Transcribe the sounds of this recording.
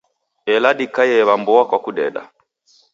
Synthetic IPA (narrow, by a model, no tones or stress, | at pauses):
ɛlaɗikajɛβambɔwakwakuɗɛ̰ɗa̰